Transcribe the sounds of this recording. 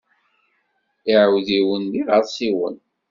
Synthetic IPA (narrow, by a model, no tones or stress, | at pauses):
ɪʕəwðiwənliʁəɾˤsiwə̰n